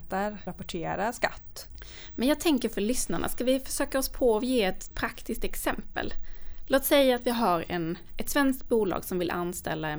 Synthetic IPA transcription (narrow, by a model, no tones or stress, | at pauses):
t̪aɾapɔʈʰeːɾaska̰t̪ː | mɛnjɑɡt̪ʰɛŋkəɾfœɭʏsnaɳʔa̰skavɪfœʂøːkaɔspʰɔɔjeːɛt̪pʰɾakt̪ɪsk̚t̪ɛksɛmpə̰lloːt̪sɛjːaːt̪vɪɦaɾɛ̰nʔɛt̪svɛnskt̪̚buːlɑ̰ːɡsɔmvɪlʔanːst̪ɛ̰lːa